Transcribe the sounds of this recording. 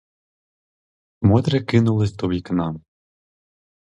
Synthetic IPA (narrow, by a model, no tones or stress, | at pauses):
mɔd̪ɾɪkɪnʊlˠɪsʲt̪ɔʋʲiknɑm